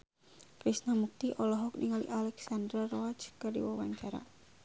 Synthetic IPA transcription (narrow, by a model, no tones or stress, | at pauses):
kɾisnamuk̚t̪iʔɔlɔɦɔk̚niŋalḭʔalɛksand̪ɾarɔat͡ʃkɨrdḭwawaɲt͡ʃaɾa̰